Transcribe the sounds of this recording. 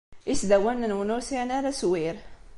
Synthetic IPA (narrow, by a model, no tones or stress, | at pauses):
isd̪æwænːənwnusiænaɾæswiɾ